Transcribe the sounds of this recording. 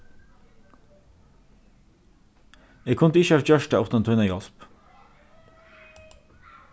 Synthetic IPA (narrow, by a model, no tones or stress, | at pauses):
eːɡkʰʊnd̪əɪçəɑːʋc͡çœʃʈɑɔt̪ɑnt̪ʰœʏnɑjɑlp